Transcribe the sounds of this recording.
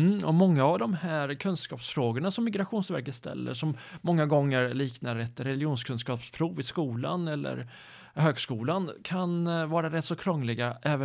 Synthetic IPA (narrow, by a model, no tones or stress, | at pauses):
ɔmɔŋːaːvd̪ɔmhæːɾkʰɵnskɑːpsfɾoːɡəɳasɔmːɪɡɾaɧuːnsvæɾkət̪st̪ʰɛ̰lːə̰ʂɔmːɔŋːaɡɔŋːəɾliːknaɾɛt̪ːɾɛlɪjuːnskʰɵnskɑːpspʰɾuːvɪskuːla̰nɛlːə̰ɾ | høːɡskuːlankʰanvɑːɾaɾɛt̪ːsɔkʰɾɔŋːlɪɡaʔɛːv